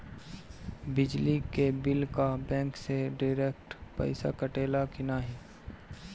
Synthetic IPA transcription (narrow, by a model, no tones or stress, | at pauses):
bɪd͡ʒlikebɪlkabɛ̃ːŋkseɖaɪɾeːk̚ʈpɐ̰ɪsa̰kəʈeːlakɪnaːɦi